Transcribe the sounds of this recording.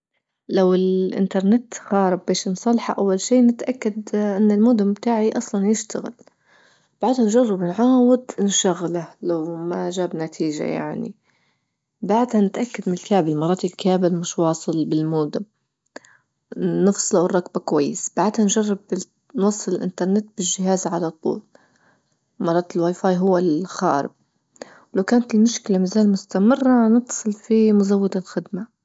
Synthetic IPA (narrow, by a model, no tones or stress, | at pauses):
lawɪlʔɪ̰nt̪ɑɾˤnɪt̪xɑːɾˤɪbːeːʃnsˤɑlħaʔawːalʃiːnɪt̪ʔakːad̪ʔɪnːɪlmoːd̪ʊmbt̪aːʕiʔɑsˤlɑnjɪʃt̪aɣɪ̰l | b̥aʕd̪hanʒɑrˤːɑbɪnʕaːwɪd̪ɪnʃaɣlalawmaʒaːbnat̪ʰiːʒa̰ja̰ʕnḭ | baʕd̪hanɪt̪ʔakːad̪mɪnɪlkaːʕbɪlmɑɾˤɑːt̪ilkaːmɪlmɪʃwɑːsˤɨlbɪlmuːd̪ɪm | nɨfsˤlawrˤːɑkbakwajːɪsb̥aʕd̪hanʒarˤːɪb | nwɑsˤːɨlɪlʔɪ̰nt̪ɑɾˤnɪt̪bɪʒːɪɦaːzʕalat̪ˤːṵːl | mɑɾˤːɑːt̪ɪlwaːjfɑːjɦʊwːalxa̰ːɾɪ̰b̚ | wlawkaːnat̪ɪlmʊʃkɪlamazaːlmʊst̪amɪrːanɨt̪sˤɨlfimʊzawːad̪alxɪd̪ma